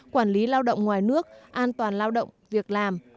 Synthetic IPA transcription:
kwaː˧˩nli˨˦laː˧wɗə̰˧˨wŋ͡mŋwaː˨˩jnɨ˦˥ək̚ʔaː˧nt̪waː˨˩nlaː˧wɗə̰˧˨wŋ͡mvi˨˩ək̚laː˨˩m

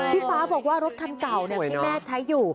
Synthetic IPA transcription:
t̪ʰiː˥˩faː˨˦˥bɔː˨˩k̚waː˥˩ɾo˦˥t̪̚ʰa˧nka˨˩wni˥˩˨iː˧mɛː˥˩t͡ɕʰa˦˥jːuː˨˩

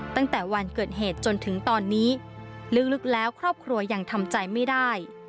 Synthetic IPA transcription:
t̪a˥˩ŋt̪ɛː˨˩wa˧nkɤː˨˩t̪̚ɦeː˨˩t̪̚t͡ɕo˧nt̪ʰɯ˩˦ŋt̪ɔː˧nːiː˦˥ | lɯ˦˥k̚lɯ˦˥k̚lɛː˦˥wkʰɾɔː˥˩p̚kʰɾu˧ɐja˨˩ŋt̪ʰa˧mt͡ɕa˧jma˥˩jda˥˩j

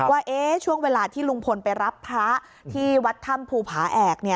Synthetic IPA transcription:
waː˥˩ʔeː˦˥t͡ɕʰu˥˩əŋweː˧laː˧t̪ʰiː˥˩lu˧ŋpʰo˧npa˧jɾa˦˥pʰːɾa˦˥ | t̪ʰiː˥˩wa˦˥t̪ʰːa˥˩mpʰuː˧pʰaː˩˦ʔɛː˨˩k̚ni˥˩ɐ

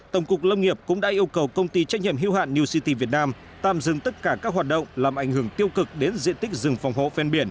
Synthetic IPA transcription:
t̪ə˧˩wŋ͡mkʊ˨˩k̚lə˧wŋi˨˩əp̚kʊ̰˧˥ŋ͡mɗa̰ː˧˥ʔi˧əwkə˨˩wkə˧wŋ͡mt̪i˧t͡ɕa˦˥k̚ɲḭ˧˨ə˨mɦḭ˧˥wɦa̰ː˧˨nːi˧wsi˧t̪i˧vi˨˩ət̚naː˧m | t̪a̰ː˧˨mzɨ̰˧˨ŋt̪ə˦˥t̚kaː˧˩kaː˦˥k̚ɦwaː˨˩t̚ɗə̰˧˨wŋ͡mlaː˨˩mʔa˧˩jŋ̟hɨ˧˩əŋt̪i˧əwkɨ˨˩k̚ɗe˨˦nzḭ˧˨ənt̪ï˦˥k̟̚zɨ˨˩ŋfɔ˨˩wŋ͡mɦo̰˧˨fɛ˧nɓi˧˩ən

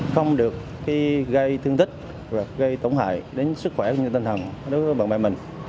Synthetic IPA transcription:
xə˧wŋ͡mɗɨ˨˩əkːaː˨˦jɣə˧jt̪ʰɨ˧əŋt̪ʰï˦˥k̟̚ | vaː˨˩ɣə˧jt̪ə˧˩wŋ͡mha̰ː˧˨jɗe˨˦nsɨ˦˥k̚xwɛ˧˩˧ɲ˧t̪ï˧ŋ̟t̪ʰə˨˩nɗo˨˦jvəː˨˦jɓa̰ː˨˧˨nmɓ̰aː˧˨jmï˨˩ŋ̟

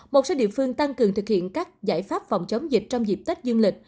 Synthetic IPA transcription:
mo˨˩t̚soː˨˦ɗḭ˧˨əfɨ˧əŋt̪a˧ŋkɨ˨˩əŋt̪ɨ˨˩k̚hḭ˧˨ənkaː˦˥k̚za̰ː˧˩jfaː˦˥p̚fa˨˩wŋ͡mt͡ɕə˨˦wŋ͡mzi˨˩k̚t͡ɕɔ˧wŋ͡mzi˨˩p̚t̪i˦˥k̚zɨ˧ənlï˨˩k̟̚

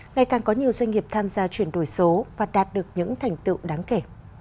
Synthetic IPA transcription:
ŋa˨˩jkaː˨˩ŋkɔ˨˦ɲi˨˩əwzwa˧ŋ̟ŋi˨˩əp̚t̪ʰaː˧mzaː˧t͡ɕwi˧˩ənɗo˧˩jso˨˦vaː˨˩ɗaː˨˩t̚ɗɨ˨˩ək̚ɲɨ̰˧˥ŋt̪ʰɛ˨˩jŋ̟t̪ɨ̰˧˨wɗaː˨˦ŋke˧˩

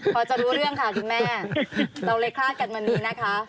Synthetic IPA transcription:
pʰɔː˧˩t͡ɕa˨˩ɾuː˦˥ɾɯ˥˩əŋkʰa˦˥˩kʰu˧nmɛː˥˩t̪o˨˧˩leː˦˧˥kʰːaː˥˩t̪̚ka˨˩nwa˧nːiː˦˥na˦˥kʰa˦˥

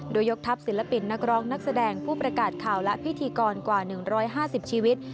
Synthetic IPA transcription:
doː˧jːo˦˥k̚t̪ʰa˦˥p̚si˨˩˦nla˧pi˨˩nːa˦˥k̚ɾɔː˦˥ŋna˦˥k̚sa˧dɛː˧ŋpʰuː˥˩pɾa˧kaː˨˩t̪̚kʰaː˨˩wlɛ˦˥pʰi˦˥t̪ʰiː˧kɔː˧nkwaː˨˩nɯ˨˩ŋɾɔː˦˥jɦaː˥˩si˨˩p̚t͡ɕʰiː˧wi˦˥t̪̚

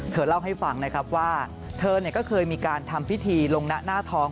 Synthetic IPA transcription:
t̪ʰɤː˧˩la˥˩wɦa˥˩jfa˧˩ŋna˦˥kʰɾa˦˥p̚waː˥˩ | t̪ʰɤː˧ni˨˩ɐkɔː˥˩kʰɤː˧jmiː˧kaː˧nt̪ʰa˧mpʰi˦˥t̪ʰiː˧lo˧ŋna˦˥ʔnaː˥˩t̪ʰɔː˦˥ŋ

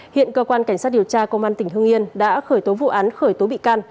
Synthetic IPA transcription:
hḭ˧˨ənkəː˧kwaː˧nka˧˩ŋ̟sa˦˥t̚ɗi˨˩əwt͡ɕaː˧kə˧wŋ͡mʔaː˧nt̪ï˧˩ŋ̟hɨ˧əŋʔi˧ənɗa̰ː˧˥xəː˧˩jt̪o˨˦vṵ˧˨ʔaː˨˦nxəː˧˩jt̪o˨˦ɓḭ˧˨kaː˧n

